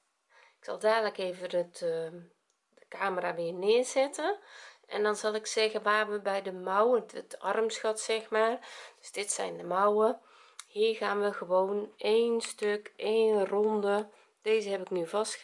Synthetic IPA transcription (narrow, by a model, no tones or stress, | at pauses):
ɪksɑlˠdaːdləkeːvədə | dəkaːməraʋɪənɪəzɛtəɛ̰ndɔnzɑlˠɪksɛɣənʋaːrʋəbɛjdəmɔwəətɔrmsxɔtsɪxmaːrd̥øsd̥ɪtsɛ̰jndəmɔwə | hiːrɣaːnʋəɣəʋoːneːnstøkeːnrɔndə | d̥eːzəhɛpɪknyvɔst